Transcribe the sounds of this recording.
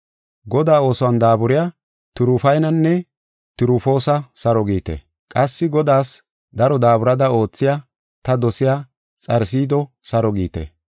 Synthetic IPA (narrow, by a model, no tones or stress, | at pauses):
ɡɔd̪aːo̞ːsɔwɐnd̪aːbʊɾɪja | t̪ʊɾʊfɐjnɐnːɛ | t̪ʊɾʊfo̞ːsɐsɐɾɔɡiːt̪ḛ | kʼɐsːɪɡɔd̪aːs | d̪ɐɾɔd̪aːbʊɾɐd̪ɐo̞ːt͡sːɪja | t̪ɐd̪ɔsɪjaː | t͡sʼɐɾs̬iːd̪ɔsɐɾɔɡiːt̪ḛ